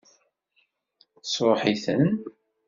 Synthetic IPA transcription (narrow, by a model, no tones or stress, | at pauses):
θəsɾˤoħiθən